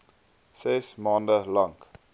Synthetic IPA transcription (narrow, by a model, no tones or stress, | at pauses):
sesmɑːndəlɐŋk